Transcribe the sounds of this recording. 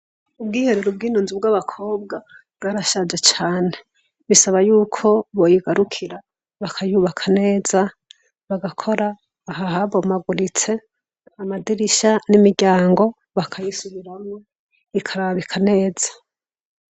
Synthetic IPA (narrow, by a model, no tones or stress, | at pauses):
ub̚ɡiːhe̞ɾeɾub̚ɡiːnuːnzib̚ɡaβakʰo̞ːb̚ɡa | ɡaɾaʃad͡ʒet͡ʃaːne | βisaβajuːkʰo̞βojiɡaɾukʰiɾa | βakʰajuːβakʰane̞ːza | βaɡakʰo̞ɾaː | ɦaɦaβomaɡuɾit͡se̞ | amadiɾiʃanimiɾɟaːŋɡo̞ | βakʰajisuβiɾamŋo | ikʰaɾaβikʰane̞ːz̥ḁ